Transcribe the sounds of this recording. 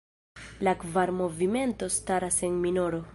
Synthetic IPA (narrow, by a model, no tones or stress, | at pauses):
lakvaɾmo̞vime̞nto̞staɾase̞nmino̞ɾo̞